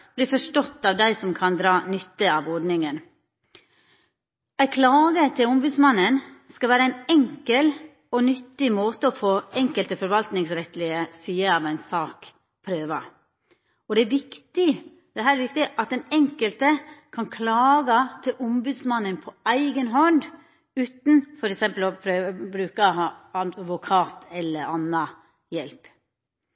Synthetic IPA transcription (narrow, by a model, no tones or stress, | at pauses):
b̥liːfɔʂʈɔt̪ːɑːʋd̪æɪsɔmkʰɑnd̪ɾɑːnʏt̪ːəɑʋɔɖnɪŋən | æɪkʰlɑːɡət̪ʰɪlʊmbʉːd̪smɑnːənskɑʋæːɾəæɪnɛŋkəl | ɔnʏt̪ːɪmoːt̪əɔfoːɛŋkəlt̪əfɔɾʋɑlt̪nɪŋsɾɛt̪lɪəsyːəɑʋæɪnsɑːk | pʰɾøːʋɑ | ɔd̪ɛæɾʋɪkt̪ɪ | d̪̥ɛɦæːɾɾʋɪkt̪ɪʔɑt̪d̪ɛnɛŋkəlt̪əkʰɑnkʰlɑːɡɑt̪ʰɪlʊmbʉd̪smɑnːənpʰɔæɪɡənɦɔnd | ʉːt̪n̩fɔɾɛksɛmpəlɔpʰɾøːbɾʉːkɑɑɑʋʊkʰɑːt̪ʰɛlːəɾɑnːɑ | jɛlp